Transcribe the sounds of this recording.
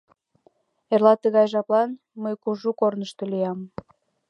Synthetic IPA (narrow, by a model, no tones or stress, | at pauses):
erlɑt̪əɣɑjʒɑplɑn | məjkuʒukornəʃt̪əlijɑm